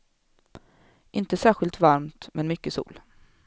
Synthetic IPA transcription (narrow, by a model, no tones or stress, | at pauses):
ʔɪnt̪əsæːɾɧɪlt̪vaɾmt̪mʔɛnmʏkːəsṵːl